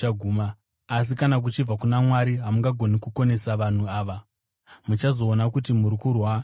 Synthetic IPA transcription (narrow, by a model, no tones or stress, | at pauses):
aɡʱuːmaː | s̬ikanak̬ut͡ʃib͡vakunamwaɾiɦamuŋɡaɡʱo̞nikuko̞ne̞saʋan̤uaːʋa | mut͡ʃazo̞ːnakut̬imuɾikurwa